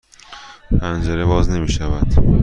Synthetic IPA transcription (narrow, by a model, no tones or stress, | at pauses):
pʰænd͡ʒæɾeβɒːzne̞miːʃævæd̪̥